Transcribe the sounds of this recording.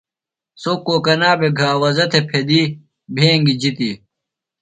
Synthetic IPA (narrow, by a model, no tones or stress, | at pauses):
soːkːoːkɐnaːbeɡʱaːwɐzɐt̪ʰepʰed̪iː | bʱẽːŋɡid͡ʑit̪i